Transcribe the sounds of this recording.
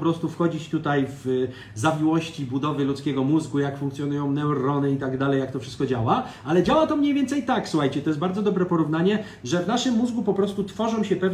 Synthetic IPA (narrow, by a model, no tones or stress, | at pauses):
pɾɔst̪ufxɔd͡ʑit͡ɕt̪ut̪ajv | zavʲiwɔɕt͡ɕibud̪ɔvɘlut̪skʲɛɡɔmuzɡujakfuŋkt̪sʲjɔnujɔ̃w̃nɛwɾɔnɘit̪aɡd̪alɛjakt̪ɔfʂɘst̪kɔd͡ʑawaalɛd͡ʑawat̪ɔmɲejvʲjɛnt̪sɛjt̪aksuxajt͡ɕɛt̪ɔjɛs̚baɾd̪zɔd̪ɔbɾɛpɔɾuvnaɲɛ | ʐɛvnaʂɘmːuzɡupɔpɾɔst̪ut̪fɔʐɔ̃w̃ɕɛpɛv